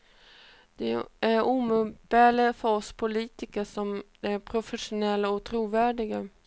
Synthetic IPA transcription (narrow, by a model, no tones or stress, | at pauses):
d̪̥ɛæɾuːmɵb̥ɛːləfəɾɔspʰʊliːt̪ɪkəʂɔm | æɾpʰɾʊfɛʂʊnɛlːaɔt̪ʰɾuːvæːɖɪɡa